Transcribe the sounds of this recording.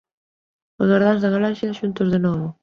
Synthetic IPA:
ozɣaɾðanzðɐɣalaʃjɐʃunt̪ozðenɔβʊ

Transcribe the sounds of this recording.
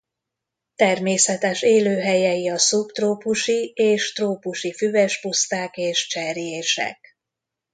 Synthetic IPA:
t̪ɛrmeːsɛt̪ɛʃeːløːɦɛjɛjiɒsupt̪roːpuʃieːʃt̪roːpuʃifyvɛʃpust̪aːkeːʃt͡ʃɛɾijeːʃɛ̰k

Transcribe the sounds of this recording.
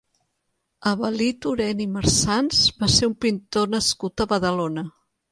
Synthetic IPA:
əβəlit̪uɾɛniməɾsansβaseumpint̪onəskut̪əβəðəlonə

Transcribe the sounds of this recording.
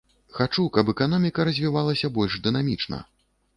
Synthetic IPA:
xat͡ʂukɐp̬ɛkanɔmʲikɐɾɐzʲvʲivalˠɐsʲɐbɔlʲʐd̪ɨnamʲit͡ʂnɐ̰

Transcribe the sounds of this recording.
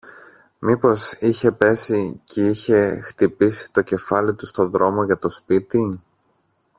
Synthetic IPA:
mipo̞siçe̞pe̞sicʰeiçe̞xt̪ipisi̥t̪o̞ce̞fɐlit̪ust̪o̞ðɾo̞mo̞ʝɐt̪o̞spit̪i

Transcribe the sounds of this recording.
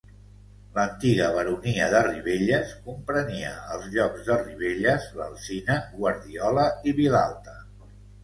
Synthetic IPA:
lənt̪iɣəβəɾuniəðəriβeʎəskumpɾəniə̰əlˠzʎɔkzðəriβ̞eʎəzβə̰lˠsinəɣwəɾðiɔləiβilalˠt̪ə

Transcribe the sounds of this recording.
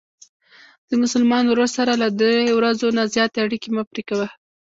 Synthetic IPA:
d̪̥əmʊsʊlmɑnoɾossaɾalad̪ɾejwɾazonazjɑt̪eaɽikemapɾekawa

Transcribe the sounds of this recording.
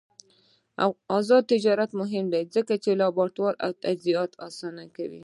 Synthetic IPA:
ɑzɑd̪̚t̪ɪd͡ʒɑɾat̪mʊɦɪmd̪ajzəkat͡ʃelɑbɑʈ̪wɑɾa̰wt̪aziɑt̪ʰɑsɑnakawḭ

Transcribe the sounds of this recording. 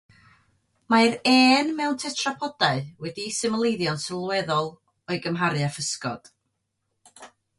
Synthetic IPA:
maɾɛeːnmɛwntʰɛtʰrapʰɔd̥aɨwɛdisɨməlˠejðjɔnsəlˠwɛðɔlˠ | ɔɨɡəmɦaɾjafəskɔ̰d̥

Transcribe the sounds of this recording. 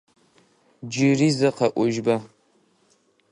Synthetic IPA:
d͡ʒɪrizɐqɐʔʷʊʒbɐ

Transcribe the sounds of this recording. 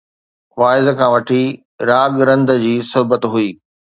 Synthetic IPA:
faːɪzkʰãːʋɐʈʰi | ɾaːɠɾɐ̃nd̪əd͡ʑiːsʊɦbət̪ɦuiː

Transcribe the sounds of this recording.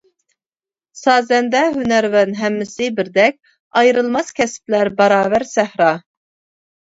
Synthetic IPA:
sɑːzɛnd̪ɛɦynæɾwɛnɦɛmːɪsɪbɪɾd̪ɛk̚ʲ | ɑjɾɨlˠmɑskʲʰɛsp̚læɾbɑɾɑːvæɾsæhɾɑ

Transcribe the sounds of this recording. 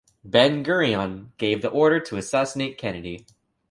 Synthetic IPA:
bɛ̃nɡɜ˞iɑ̃nɡ̥eɪvðiʔɔɹɾə˞ɾʰəːsæsəneɪt̚kʰɛñɨɾi

